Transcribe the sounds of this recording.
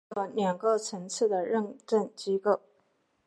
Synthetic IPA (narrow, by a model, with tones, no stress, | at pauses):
ɤ˧˥njɑ˨˩ŋko˥˩ʊt͡sʰɤ˧˥ŋt͡sʰɹ̩˥˩d̪ə˩ɻə˥˧ŋʈ͡ʂə˥˩nt͡ɕi˥ko˥˩ʊ